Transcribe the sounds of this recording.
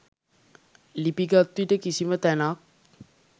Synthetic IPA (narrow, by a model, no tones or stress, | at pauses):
lipiɡat̪ːuiʈəkisimət̪ɛnak̚